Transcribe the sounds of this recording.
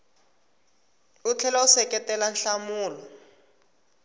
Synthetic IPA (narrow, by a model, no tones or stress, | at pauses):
ut͡ɬʰɛlausɛkɛtɛlanɬamuːlɔ